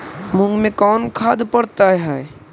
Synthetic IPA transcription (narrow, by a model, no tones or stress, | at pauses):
mʊ̃ŋɡmẽkɔːnkʰaːd̪pəɽt̪aɦɛ